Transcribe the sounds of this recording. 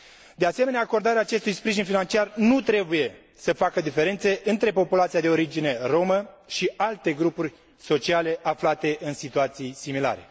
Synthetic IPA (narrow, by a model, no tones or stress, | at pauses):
d̪e̞ase̞me̞neaːko̞rd̪aɾeaːt͡ʃe̞st̪ujspɾiʒinfinant͡ʃiarnut̪ɾe̞buje̞ | səfakəd̪ife̞ɾe̞nt̪se̞ʔɨnt̪ɾe̞po̞pulat̪sijad̪e̞o̞ɾid͡ʒine̞ro̞mə | ʃialt̪e̞ɡɾupurʲ | so̞t͡ʃiale̞ʔaflat̪e̞ʔɨnsit̪uat̪sijsimila̰ɾe̞̰